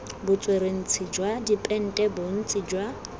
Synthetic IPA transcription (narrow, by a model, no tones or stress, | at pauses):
bʊt͡sʼweɾen̩t͡sʰid͡ʒwadipʼɛn̩tʼɛbʊn̩t͡sʼid͡ʒwa